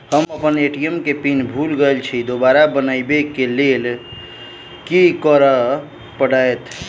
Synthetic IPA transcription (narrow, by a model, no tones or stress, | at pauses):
həməpəneʈiəmkepinbʱulɡəlt͡ʃʰid̪obaɾabənəjbekelel | kikəɾə | pəɽajt̪